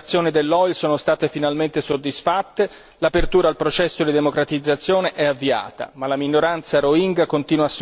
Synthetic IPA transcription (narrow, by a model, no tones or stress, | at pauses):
t̪sːjoːnid̪elːɔjlsoːnost̪aːt̪efinalment̪esod̪ːisfat̪ːe | lapert̪uːɾaːlpɾot͡ʃɛsːod̪id̪emokɾat̪id̪zːat̪sːjoːneʔɛavːia̰ːt̪a̰malaminːoɾant̪saɾoiŋɡakont̪iːnwasː